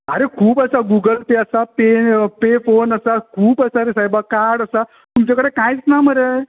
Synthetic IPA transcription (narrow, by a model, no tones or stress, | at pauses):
əɾekʰuːpəsaɡuɡəlpeəsapepefonəsakʰuːpəsaɾesajbakaɾɽəsa | t̪umt͡ɕakəɽekãjt͡snaməɾe